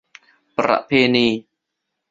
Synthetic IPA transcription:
pɾa̰˧˨ʔpʰeː˧niː˧

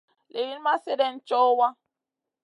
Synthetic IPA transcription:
le˨ji˦n˦ma˦se˦dɛ˦n̩˦t͡ʃɔ˦wa˦

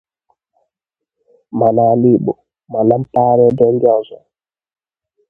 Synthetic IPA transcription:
ma˨na˨li˦ɓɔ˨ | ma˨la˦mpa˦ɾɛ˦dɛ˦ŋɡa˦zɔ˨

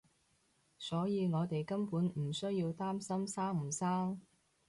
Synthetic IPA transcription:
sɔː˨˥jiː˨˧ŋɔː˨˧t̪e˨jkɐ˥mpuː˨˥nm̩˨˩sɵ˥ɥjiː˧wt̪aː˥msɐ˥msaː˥ŋm̩˨˩saː˥ŋ

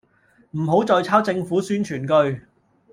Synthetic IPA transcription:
m̩˨˩ɦo˨˥wt͡sɔː˨˧jt͡sʰaː˥wt͡sɪ˧ŋfuː˨˥syː˥nt͡ʃʰyː˨˩nkɵ˧ɥ

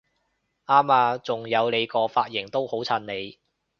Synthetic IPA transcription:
aː˥maː˧t͡sʊ˨ŋjɐ˨˧wle˨˧jkɔː˧faː˧t̚jɪ˨˩ŋt̪o˥who˨˥wt͡sʰɐ˧nne˨˧j

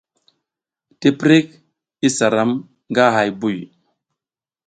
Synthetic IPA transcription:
te˦pɾe˦k̚ | i˦sa˨ɾa˦m | ŋɡa˦ɦa˨jbu˦˨j

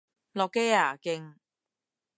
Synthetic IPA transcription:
lɔ˧kːe˥aː˨˩kɪ˧ŋ

